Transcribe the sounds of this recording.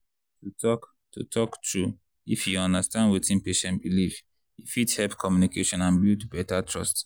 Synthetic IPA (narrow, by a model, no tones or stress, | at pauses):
tutɔk | tṵtʰɔktɹu | ifjuɔ̃ndastãndwetĩnpeʃɛ̃ntbiliv | jifithɛlpkʰɔmjunikeʃɔ̃nãnbitubɛtatʰɹɔst